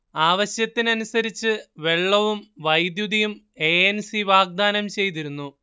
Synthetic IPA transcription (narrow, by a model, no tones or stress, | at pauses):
aːʋɐɕjɐt̪ːinɐnusɐɾit͡ɕːɨʋe̞ɭːɐʋumʋɐjd̪jud̪ijum | e̞ensiʋaːɡ̚d̪aːnɐmt͡ɕe̞jt̪̬iɾunːu